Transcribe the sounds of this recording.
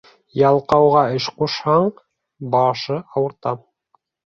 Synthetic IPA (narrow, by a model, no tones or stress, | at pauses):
jɑlˠqɑwʁɑɘʃquʃhɑɴ | bɑʃɤʔɑwɤ̆ɾt̪ɑ